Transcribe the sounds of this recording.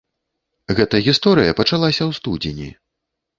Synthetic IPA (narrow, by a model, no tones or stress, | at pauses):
ɣɛt̪ɐɣʲist̪ɔɾɨjɐpɐt͡ʂalˠasʲɐwst̪ud͡zʲenʲḭ